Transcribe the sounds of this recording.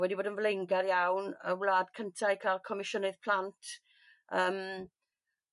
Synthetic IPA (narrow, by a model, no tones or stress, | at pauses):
wɛdiboːdənvlejŋɡaɾjawnə̰wlˠaːdkʰəntʰajkʰalˠkʰɔmɪʃɔnɨðpʰl̥ˠantʰ | əːm